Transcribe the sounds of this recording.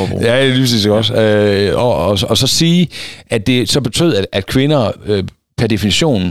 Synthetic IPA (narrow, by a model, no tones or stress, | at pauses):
jæeliːpʰʁsḭseɡ̥ɒ̽d̥øɒɒɒsɒ̽siːʔæd̥e̝sɒ̽b̥e̝t͡sʰø̰ð̰ˠæ̥ʔæd̥kʰʋe̝nɐø | pʰæɐd̥e̝finiɕo̝̰ːn